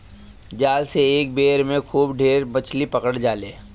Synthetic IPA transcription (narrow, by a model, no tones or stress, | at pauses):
d͡ʒaːlseeːk̚beːɾmẽkʰuːbɖʱeːɾbət͡ʃʰlipɐkəɽd͡ʒaːleː